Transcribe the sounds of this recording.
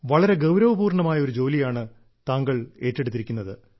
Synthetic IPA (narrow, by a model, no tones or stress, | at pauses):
ʋɐɭɐɾe̞ɡɐwɾɐʋɐbuːrɳɐmaːjɐo̞ɾud͡ʑo̞ːlijaːɳɨ | t̪aːŋɡɐɭe̞ːtːe̞ɽut̪ːiɾikʲːunːɐðɨ